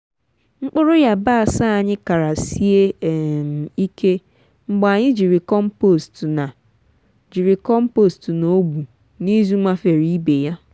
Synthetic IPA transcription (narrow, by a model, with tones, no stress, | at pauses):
ŋ͡m̩˦k͡pʊ˦ɾʊ˦ja˦ba˦a˨sa˦a˨ɲɪ˦ka˨ɾa˨si˦e˦˨ | i˦ke˦ | ŋ͡m̩˦ɡ͡ba˨ɲɪ˦d͡ʒi˨ɾɪ˨kɔ˦m̩˦po˦˨stna˨ | d͡ʒi˨ɾɪ˨kɔ˦m̩˦po˦˨stno˦ɡ͡bu˨ | ni˦zu˦ŋ͡ma˦fe˨ɾi˦be˨ja˦